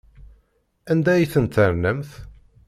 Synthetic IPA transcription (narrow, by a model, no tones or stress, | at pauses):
ænd̪æjiθənt̪ːəɾnəmθ